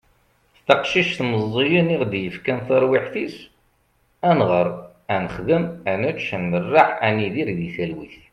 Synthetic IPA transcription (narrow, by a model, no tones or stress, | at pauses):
θtɑqʃiʃθməzˤːijəniʁd̪jəfkænθɑɾˤwiħθis | ænʁəɾˤ | ænəχðəmænæt͡ʃʃənːərːaħæniðiɾðiθælwiθ